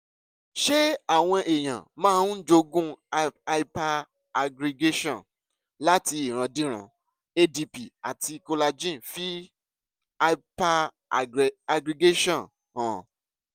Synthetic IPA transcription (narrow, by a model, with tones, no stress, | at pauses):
ʃe˦a˦˨w̃ɔ̃˧ʔe˨j̃ã̰˨mãː˦˧˦d͡ʒo˧ɡũ˦˧˦ | pa˧ | ɡɾi˧ɡe˦ʃɔ̃˦˨ | la˦ti˧i˨ɾ̃ã˨˧dĩ˦ɾ̃ã̰˧˦ | e˦di˧pi˨a˨ti˧ko˧la˧d͡ʒĩ˦˨fi˦˧ | pa˦ | a˧ɡɾi˧ɡe˦ʃɔ̃˦˨ | ã˨